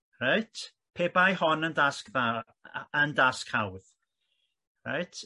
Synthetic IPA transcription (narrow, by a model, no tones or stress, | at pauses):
rajtʰ | pʰeːbajhɔnəndaskða | əndaskhawð̥ | ra̰jtʰ